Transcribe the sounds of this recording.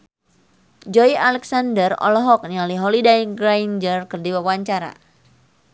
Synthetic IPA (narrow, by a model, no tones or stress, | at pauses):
d͡ʒɔijalɛksandərɔ̰lɔɦɔk̚nialiɦɔlidaɡɾajnd͡ʒərkərdiwapwaɲt͡ʃaɾa̰